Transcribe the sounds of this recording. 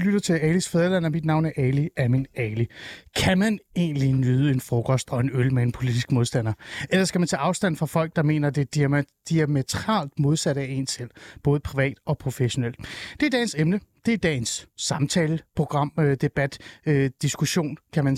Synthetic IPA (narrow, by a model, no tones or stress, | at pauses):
lyɾ̥ɐt͡sʰe̝lɛlisfeðˠɐlæn̰ɐmid̥nɑ̈ʊ̰næɐʔɛliæminɛlikʰæmæne̝̰ːnlinyːð̞ˠəe̝nfʁɔkʰɒ̽sd̥ɒ̽e̝nølmeenpʰo̝lid̥isɡ̥mo̝ðˠsd̥æn̰ɐʔelɐsɡ̥æmænt͡sʰɛːʔɑ̈ʊsd̥æn̰fʁɑ̈fɒ̽l̰ɡ̥̚d̥ɑ̈me̝̰ːnɐd̥e̝̥d̥iæmet͡sʰʁɑ̰̈ːld̥mo̝ð̞ˠsæɾəæe̝nsel̰b̥ɔ̽ːð̞ˠəpʰʁiʋɛ̰ːd̥ɒ̽pʰʁo̝feɕo̝nel̰d̥d̥e̝ɐd̥ɛ̰ɪnsemnəd̥e̝d̥ɛ̰ːnsːɑ̈mt͡sʰɛːləpʰʁo̝ɡ̥ʁɑ̈m̰d̥e̝b̥æd̥ød̥isɡ̥uɕo̝̰ːnkʰæmæn